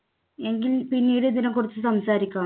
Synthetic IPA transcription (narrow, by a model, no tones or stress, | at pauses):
e̞ŋɡilpinːiːɾed̪inɐmkuɽit͡ɕːɨsɐmsaːɾikʲːaː